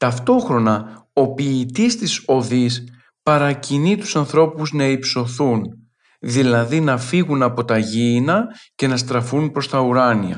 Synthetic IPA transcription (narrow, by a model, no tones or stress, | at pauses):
t̪ɐft̪o̞xɾo̞nɐo̞piːt̪ist̪iso̞ðis | pɐɾɐcinit̪u̥sɐnθɾo̞puznɐipso̞θun | ðilɐðinɐfiɣunɐpo̞t̪ɐʝiːnɐce̞nɐst̪ɾɐfunpɾo̞st̪ɐuɾɐniɐ̰